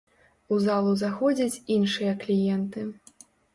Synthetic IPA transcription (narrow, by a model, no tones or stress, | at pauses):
uzalˠuzaxɔd͡zʲɐt͡sʲinʂɨjɐklʲijɛnt̪ɨ